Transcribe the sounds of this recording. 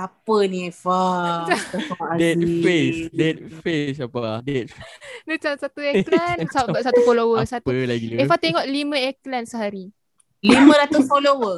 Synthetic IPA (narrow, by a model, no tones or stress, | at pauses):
apəniefataaʔadɛt̪̚fesdɛt̪̚fesapadɛt̪̚nut͡ʃansat̪ueklansasat̪ufolowəsat̪uəlaɡiefat̪eŋɔʔlimə̃eklansəɦaɾi | limə̃ɾat̪usfolowə